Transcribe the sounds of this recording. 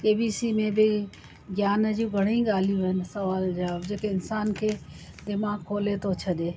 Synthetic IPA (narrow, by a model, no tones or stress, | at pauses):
keːbiːsimẽbɪ | ɡjaːnəd͡ʒũɡʱɐɽ̃ĩɡaːlijũɦənɪ̆sɐʋaːld͡ʒabd͡ʒeːkeɪnsaːnkʰeː | d̪ɪmaːɡkʰoːlet̪ot͡ʃʰɐɗeː